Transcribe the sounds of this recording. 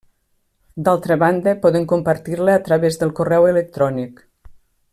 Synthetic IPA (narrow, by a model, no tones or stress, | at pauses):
d̪alˠt̪ɾəβand̪əpɔðəŋkumpəɾt̪iɾləːt̪ɾəβezðəlˠkurɛwelək̚t̪ɾɔnik